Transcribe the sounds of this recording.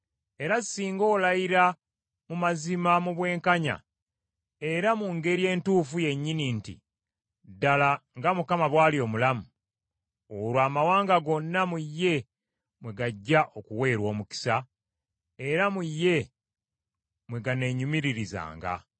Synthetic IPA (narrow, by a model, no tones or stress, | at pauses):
e̞ɾazisiːŋɡo̞ːlajiɾa | mumazimamuβwe̞ːŋkaɲa̰ | e̞ɾamuŋɡe̞ɾje̞ːntuːfuje̞ɲːinintḭ | dalaŋɡamukamaβwaːlio̞ːmulamu | oɾwaːmawaːŋɡaɡo̞nːamujːe̞ | mwe̞ɡaɟːaʔo̞kuwe̞ːɾwo̞ːmuki̥sa | e̞ɾamujːe̞ | mwe̞ɡane̞ɲumiɾiɾiza̰ːŋɡa̰